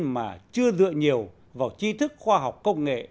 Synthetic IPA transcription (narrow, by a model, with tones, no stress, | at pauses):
maː˨˩t͡ɕɨ˧əzɨ̰˧˨əɲi˨˩əw | vaː˨˩wt͡ɕi˧t̪ʰɨ˦˥k̚xwaː˧ɦa˨˩wk͡p̚kːə˧wŋ͡mŋḛ˧˨